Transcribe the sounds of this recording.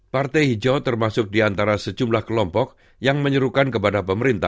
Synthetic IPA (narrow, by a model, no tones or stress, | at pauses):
part̪ɛjhid͡ʒawt̪ərmasʊk̚diant̪aɾasəd͡ʒumlahkəlɔmpɔk̚ | jaŋməɲəɾukankəpadapəməɾint̪a̰h